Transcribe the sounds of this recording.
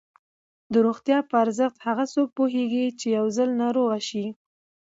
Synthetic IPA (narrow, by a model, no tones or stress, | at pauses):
d̪əɾoɣt̪jɑpəaɾzəxt̪haɣasok̚poɦeɡit͡ʃejawzəlnɑɾoɣaʃi